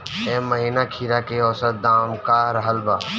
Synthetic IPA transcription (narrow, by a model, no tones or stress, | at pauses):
ẽːməɦiːnakʰiːɾakeɔːsət̪̚d̪aːmkaɾəɦəlbaː